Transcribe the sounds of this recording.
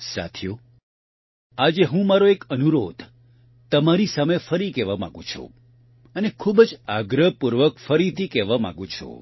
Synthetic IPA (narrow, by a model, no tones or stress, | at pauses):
sa̰t̪ʰju | ad͡ʒeɦũmaɾoekənuɾod̪ | t̪əmaɾisamefəɾikɛʋamã̰ɡṵ̃t͡ʃʰṵ̃ | ənekʰubəd͡ʒaɡɾəpuɾʋəkfəɾit̪ʰikɛʋamã̰ɡũt͡ʃʰṵ